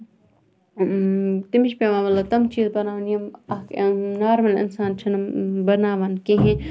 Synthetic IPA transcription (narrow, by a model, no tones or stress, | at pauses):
t̪imiʃpeʋaːmɐlɐt̪ɐmt͡ʃiːzbɐnaːʋnjɐmɐnaːɾmɐlɪ̰nsaːnt͡ʃʰɐnɐmbɐnaːʋɐnkeɦẽ